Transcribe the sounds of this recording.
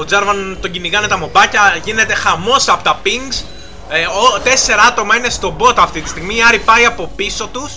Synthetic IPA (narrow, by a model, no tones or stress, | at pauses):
o̞d͡zɐɾvɐnt̪o̞ɟiniɣɐnet̪ɐmo̞bɐcɐʝine̞t̪e̞xɐmo̞sɐpot̪ɐpiŋɡs | ot̪e̞se̞ɾɐɐt̪o̞mɐine̞st̪o̞bo̞t̪ɐft̪it̪i̥st̪iɣmiɐɾipɐiɐpo̞piso̞t̪us